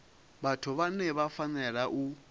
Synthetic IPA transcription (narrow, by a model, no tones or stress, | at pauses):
βatʰuβanɛβafanɛɺaʔu